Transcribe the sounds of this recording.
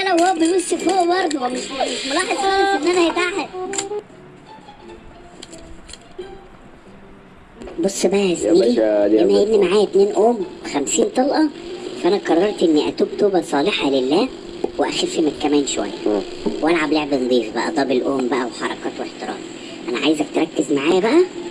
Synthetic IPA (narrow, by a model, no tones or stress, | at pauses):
ʔænæwhoːbemesːefhoːʔbɑɾˤd̪ˤumolɑːħezˤɑenːænæhet̪aħed̪ | bosˤːbæʔæzmiːʔiʔænæhjebnimaʕaːjæt̪neːnʔoːmwexæmsiːnt̪ˤɑlʔɑfʔænæqɑrˤːɑɾˤt̪ʔenːiʔæ̰t̪uːbt̪oːbæsˤɑːleħɑlelːæː | weʔæ̰xelfemet̪kæmæːnʃowæ̰jːæ̰ | wʔælʕableʕbend̪ˤiːfbæ̰ʔæ̰d̪ˤɑːbelʔoːmbæʔæweħɑɾˤɑ̰kɑ̰ːt̪weeħt̪eɾˤɑ̰ːm | ʔænæʕaːjzæk̚t̪ɾˤɑkːezmaʕaːjæbæʔæ